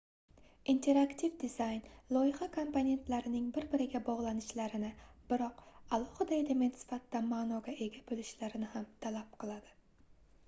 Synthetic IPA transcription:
int̪ʰe̞ɾakt̪ʰivd̪ɪzajnlˠɒjɪχakʰompone̞nt̪laɾɪnɪŋbɪɾbɪɾɪɡʲabɒʁlˠanɪʃlaɾɪnɪb̥ɪɾɒqalˠɒhɨd̪ajd̪amensɪ̥fat̪d̪amaːnɒɡʲaʔe̞ɡʲabolɪʃlaɾɪnɪhamt̪ʰalap̚qʰɨlˠad̪ɪ̥

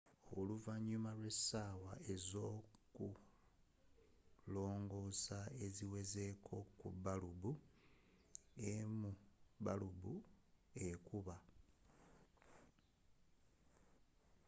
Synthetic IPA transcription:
oluvaɲːumalwe̞sawae̞zo̞ːku | lo̞ːŋɡo̞sae̞ziwe̞ze̞kʰo̞kubalubu | emuβalubue̞kuβa

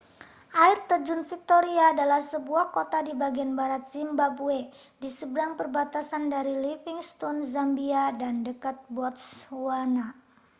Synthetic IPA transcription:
ʔairt̪ərd͡ʒʊnfik̚t̪oɾiaːdalahsəbuahkot̪adibaɡianbaɾat̪̚z̥imbabue | disəbəɾaŋpərbat̪asandaɾilifiŋst̪ɔnzambiadandəkat̪̚bɔt̪̚swana

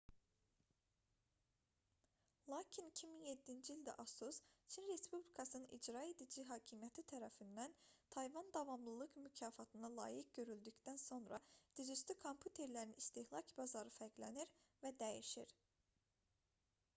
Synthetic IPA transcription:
lˠɑːcʰinicʰiminje̞d̪ːind͡ʒiːlʲd̪æ̰ʔɑsust͡ʃʰinɾe̞spublʲikʰɑsɯnɯnʔḭd͡ʒɾɑːid̪id͡ʒiɦɑːcʰimijæt̪ʰit̪ʰæɾæfind̪ænt̪ʰɑjvɑnd̪ɑvɑmlˠɯlˠɯkmycʰɑːfɑt̪ʰɯnɑlˠɑ̰ːjik̚ɟø̞ɾyld̪ycd̪ænso̞nɾɑd̪̥izyst̪ykʰo̞mpʰjut̪ʰe̞ɾlæɾinist̪ihlˠɑcʰbɑzɑɾɯfæɾɡlæniɾvæd̪æjiʃiɾ

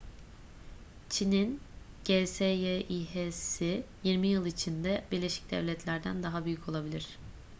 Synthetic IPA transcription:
t͡ʃʰinin | ɟ̥esejeʔiɦesijiɾmijɯlˠit͡ʃʰind̪ɛbiɾlʲeʃi̥c̚d̪ɛ̰vlʲɛt̪ʰlʲæɾd̪ænd̪aɦabyjycʰo̞lˠabilʲiɾ̝̥

